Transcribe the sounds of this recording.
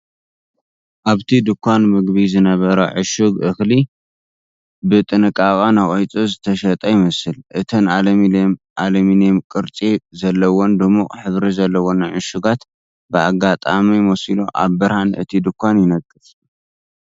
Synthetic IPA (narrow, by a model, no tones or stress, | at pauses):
ʔaβt̪ʰid̪ɨkʰʷːanmɨɡbizɨnɐβɐɾɐʕɨʃuɡʔɨxli | bɨt̪ʼɨnɨkʼakʼanaχʼojt͡sʼozɨt̪ʰɐʃɐt̪ʼɐjɪmɐsɨlʔɨt̪ʰɐnalɐ | ʔalɐminɛmkʼɨɾt͡sʼizɐlːɐwond̪ɨmuχʼħɨβɾizɐlːɐwonɨʕɨʃuɡat̪ | bɨaɡat̪ʼamimosilo̰ʔa̰βːɨɾhanɨ̰t̪ʰid̪ɨkʷːanjɪnɐkʼːɨf